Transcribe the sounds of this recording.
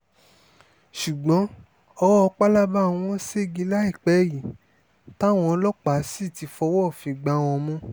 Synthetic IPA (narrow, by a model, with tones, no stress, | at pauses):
ʃu˨ɡ͡bɔ̃˨˦ | ɔ˧wɔ˦˧k͡pa˦la˦bã˦˨˦ɔ̃˦se˦˨ɡi˧˦la˦i˦˨k͡pɛ˨˦˨ji˨ | ta˦w̃ɔ̃˧˦lɔ˦k͡pa˨˦si˦˨ti˨˧fɔ˧˦wɔ˦˨fĩ˧ɡ͡ba˧˦w̃ɔ̃˧mũ˧˦